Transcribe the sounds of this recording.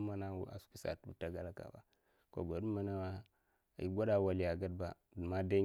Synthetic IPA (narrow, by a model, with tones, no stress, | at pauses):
ma˦na˦wu˦a̰˨su̥˦ku˨sa̰˨tu˦u˦ta˨ɡa˦la˦ka̰˨ba̰˨ | ko̰˨ɡo˨du˦ma˦na˦a˦˨ | ji˦ɡʷo˦da˨wa˨li˨ja˨ɡa˦d̚ba˨ | dma˦da˦